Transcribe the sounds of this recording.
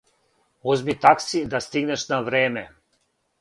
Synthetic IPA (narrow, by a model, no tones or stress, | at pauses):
ozmit̪aksid̪ast̪iɡnɛʃnavɾeːmɛ